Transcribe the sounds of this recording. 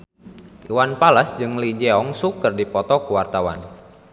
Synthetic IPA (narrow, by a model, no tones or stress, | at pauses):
ʔiwanpalasd͡ʒɨŋlid͡ʒɛɔŋsukərdipɔt̪ɔkuwart̪awa̰n